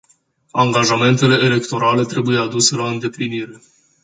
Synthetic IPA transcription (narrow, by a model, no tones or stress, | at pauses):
aŋɡaʒame̞nt̪e̞le̞ːle̞kt̪o̞ɾale̞t̪ɾe̞buje̞ad̪use̞laɨnd̪e̞pliniɾe̞